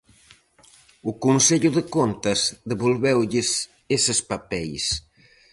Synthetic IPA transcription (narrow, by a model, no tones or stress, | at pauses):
ukunseʎuðekont̪ɐzd̪eβolβɛwʎɪs | esespapɛjs